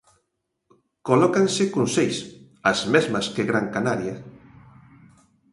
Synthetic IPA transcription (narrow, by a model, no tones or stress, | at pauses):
kolɔkansɪkonsejs | azmezmɐskeɣɾaŋkanaɾja